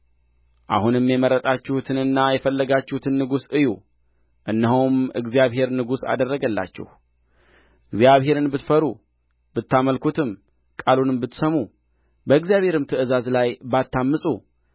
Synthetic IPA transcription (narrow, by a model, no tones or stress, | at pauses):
ʔa̰hunɨmːjɛməɾːət̪ʼat͡ʃːɪhut̪ʰɨnɨnːajɛfəlːəɡat͡ʃːɪhut̪ʰɨnːɨɡusɨjṵ | ʔɨnːəɦuwmɨ̰ɡzijaβɦe̞ɾnɨɡusa̰d̪ərːəɡəlːa̰t͡ʃːɛ̰hu | ɨɡzjaβɦe̞ɾɨnbɨt̪fəɾu | b̥ɨt̪ːaməlkʰut̪ʰɨm | kʼalunɨmbɨt̪ːsəmu | bəɨɡzijaβhe̞ɾɨmt̪ʰɨʔɨzazlajbat̪ːamːɨsʼu